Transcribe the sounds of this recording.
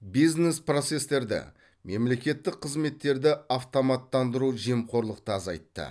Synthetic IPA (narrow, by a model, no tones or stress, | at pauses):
bijznespro̞t̪se̞st̪e̞ɾd̪ɪ̰ | me̞mle̞kʲe̞t̪ːɪk̚qʰəzme̞t̪ːe̞ɾd̪ɪaft̪o̞mɑt̪ːɑnd̪əɾuʒemqʰo̞ɾlˠəqt̪əɑzɑ̰jt̪ːə̰